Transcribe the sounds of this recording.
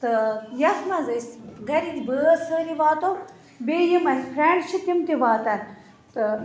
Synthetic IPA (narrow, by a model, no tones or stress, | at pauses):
t̪ɨjɐsmɐzɐsɡʱɐɾid̪ibəsəɾiʋaːt̪o | beːjimɐpʰɾeɳɖt͡ʃʰit̪imt̪iʋaːt̪ɐn | t̪ɨ